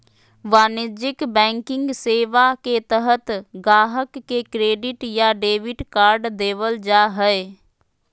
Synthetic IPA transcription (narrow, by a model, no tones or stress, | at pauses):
ʋaːnɪd͡ʒɪkbɛ̃ːŋkɪ̃ŋɡseːʋaket̪əɦət̪ɡaːɦəkːekɾeːɖɪʈjaɖeːʋɪʈkaːɾɖd̪eːʋəld͡ʒaɦɛe